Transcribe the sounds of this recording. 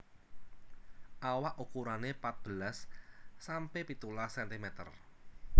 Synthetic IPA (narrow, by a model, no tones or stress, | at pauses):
ʔawaʔukuɾanepat̪̚b̥əlasː | ampepit̪ulasɛnt̪imɛt̪ə̰r